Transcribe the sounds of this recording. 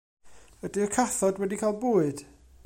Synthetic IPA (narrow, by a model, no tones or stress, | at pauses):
ədɨəkʰaθɔdwɛdikʰaːlˠboːɨd̥